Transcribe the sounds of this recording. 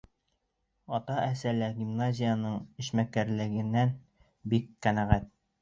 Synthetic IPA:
ɒt̪ɑʔæsælæɡʲimnazʲɪjanɤɴɘ̆ʃmækæɾlɘ̆ɡɘ̆nːæn | bikqːænæʁæt̪̚

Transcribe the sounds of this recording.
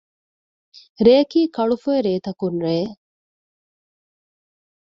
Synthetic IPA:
ɾeːkiːkɐɭufoeɾeːt̪ɐkunɾeː

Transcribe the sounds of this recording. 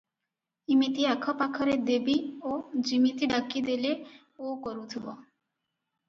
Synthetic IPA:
imit̪iakʰɔpakʰɔɾed̪ebiod͡ʒimit̪iɖakid̪ele | okɔɾut̪ʰibɔ

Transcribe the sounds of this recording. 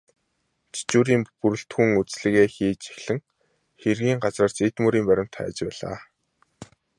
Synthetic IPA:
t͡ɕʰi̥t͡ɕuːɾiːmpuɾɘ̆ɬt̪xuŋut͡sɮɘ̆ɣeːxiːt͡ɕe̥xʲɮɘ̆ŋ | xerɣiːŋɢat͡sraːrt͡ɕet̪muɾiːmpæɾʲɪ̆m̥t̪ʰæ̰ːt͡ɕpæːɮa̰ː

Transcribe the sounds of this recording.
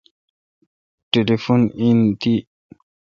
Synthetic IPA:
ʈelefonint̪i

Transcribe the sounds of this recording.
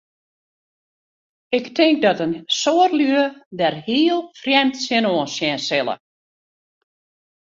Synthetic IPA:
ɪktʰɪŋk̚dɔtənsoərlyədɛrhiəlˠfrjɛmtsɪnoːəsjɛnsɪlˠə̰

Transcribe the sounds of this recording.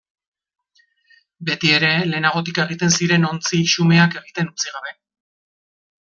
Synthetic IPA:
be̞t̪ie̞ɾe̞le̞ːnaɣo̞t̪̬ike̞ɣ̞it̪e̞nsiɾe̞no̞nt͡siʃume̞ake̞ɣit̪e̞nut͡siɣ̞aβe̞

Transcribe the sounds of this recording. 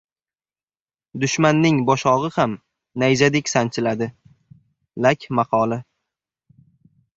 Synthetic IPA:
d̪ʊʃmanːɪŋbɒʃɒʁɨham | najd͡ʒad̪ekʲsant͡ʃʰɪlad̪ɪ | lakʲʰmɑqʰɒlˠɪ

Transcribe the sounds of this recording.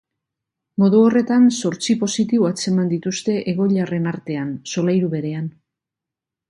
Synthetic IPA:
mo̞ðuo̞re̞t̪anso̞ɾt͡sipo̞sit̪iβuat͡se̞mand̪it̪ust̪e̞ʔeɣo̞ʎare̞naɾt̪e̞anso̞lajɾuβe̞ɾe̞an

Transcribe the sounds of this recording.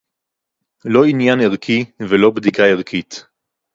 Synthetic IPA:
lo̞injaneʁkʰivelo̞bd̪ikaeʁkʰit̪

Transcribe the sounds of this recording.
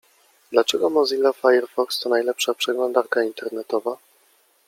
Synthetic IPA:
d̪lat͡ʂɛɡɔmɔzilːafajɛɾfɔkst̪ɔnajlɛpʂapʂɛɡlɔnd̪aɾkaint̪ʰɛɾnɛt̪ɔva

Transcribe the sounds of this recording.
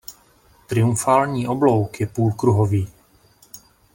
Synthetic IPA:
t̪ɾɪumfaːlɲiːʔoblowkjɛpuːlkɾuɦoviː

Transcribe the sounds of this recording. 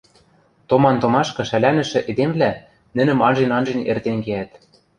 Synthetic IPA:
t̪omɑnt̪omɑʃkɤ̆ʃælænɘ̆ʃɘ̆ʔed̪emβlæ | nɘ̆nɘ̆mɑnʒenɑnʒenḛrt̪enɡeæt̪

